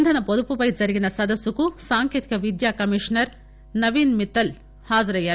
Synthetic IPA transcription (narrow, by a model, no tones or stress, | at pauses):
nd̪ʱɐnɐpɔd̪upupɐjd͡ʒɐɾiɡinɐsɐd̪ɐsːukusaːŋkjeːt̪i̥kɐʋid̪jaːkɐmiʂnɐɾ | nɐʋiːnmit̪ːɐl | haːd͡ʒɐɾɐjɐɾ